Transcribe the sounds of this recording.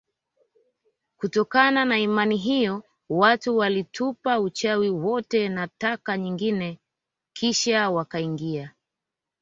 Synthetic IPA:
kutɔkananaimaniɦijɔ | watuwalitʰupaut͡ʃawiwɔtɛnatakaɲiŋɡinɛ | kʰiʃawakaiŋɡia

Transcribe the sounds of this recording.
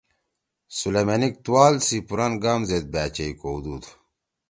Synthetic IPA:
sulemɐnik̚t̪uwaːlsipuɾanɡaːmzed̪̚bæːt͡ɕejkod̪ud̪

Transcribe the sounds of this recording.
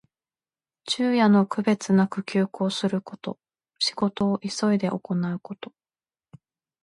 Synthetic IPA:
t͡ɕɨːjano̞kɯ̟be̞t͡sɨnakɯ̟kʲɨːko̞ːsɨɾɯ̟ko̞t̪o̞ | ɕi̥ɡo̞t̪o̞ːʔiso̞id̪e̞ʔo̞ko̞naɯ̟ko̞t̪o̞̥

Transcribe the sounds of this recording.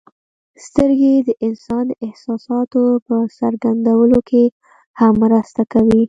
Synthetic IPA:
st̪əɾɡed̪əʔɪnsɑnd̪əɪhsɑsɑt̪opəsaɾɡand̪awəlokʰe | hamːɾəst̪akawi

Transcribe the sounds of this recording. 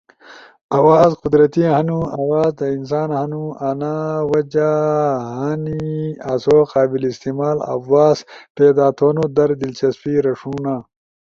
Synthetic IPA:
ɐwaːzqʊd̪ɾɐt̪iɦɐnuɐwaːzd̪ɐins̬aːnhɐnuɐnawɐd͡ʑaɦaniasoːqaːbilist̪imaːlɐ̰waːspeːd̪aːt̪ʰoːnod̪ɐɾd̪ilt͡ɕɐspiɾɐʂuːnaː

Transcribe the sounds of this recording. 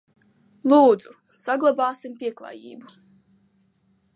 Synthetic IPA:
lˠuːd̪z̥u | saɡlˠabɑːsimpʲiɛklˠa̰ːjḭːbu

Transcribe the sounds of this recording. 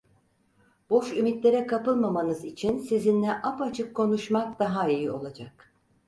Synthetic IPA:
b̥o̞ʃymit̪lʲe̞ɾɛkʰapɯlˠmamanɯzit͡ʃʰinsizinlʲɛʔapat͡ʃʰɯkʰːo̞nuʃmak̚d̪aɦaijio̞lˠad͡ʒak̚

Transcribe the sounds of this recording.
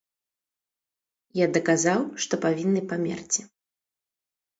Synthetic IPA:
jad̪ɐkazawʂt̪ɔpavʲinːɨpamʲɛ̰rt͡sʲi

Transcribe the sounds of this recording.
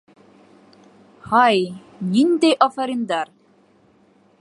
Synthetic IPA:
hɑj | nind̪æjʔɒfɐɾimd̪ɑɾ

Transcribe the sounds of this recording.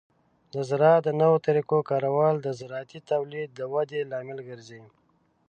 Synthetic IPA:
d̪əzɾɑd̪ənəwot̪aɾikokɑɾawɑld̪əzɾɑt̪it̪awlid̪̚ːəwad̪elɑːmɪlɡəɾzi

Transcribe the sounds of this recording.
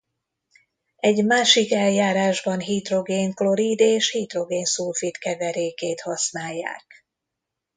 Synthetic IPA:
ɛɟmaːʃikɛljaːɾaːʒbɒnɦiːt̪ro̞ɡeːŋklo̞ɾiːd̪eːʃhiːt̪ro̞ɡeːnsulfit̪kɛvɛɾeːkeːt̪hɒsnaːjːa̰ːk

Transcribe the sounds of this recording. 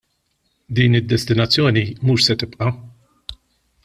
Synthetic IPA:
d̪iːnɪd̪ːɛst̪ɪnɐt͡sːjɔːnimuːʃsɛt̪ɪpʔɐ

